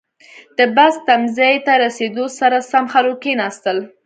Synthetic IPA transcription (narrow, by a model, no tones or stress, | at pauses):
d̪̥əbast̪amzajt̪aɾased̪osaɾasamxalokenɑst̪əl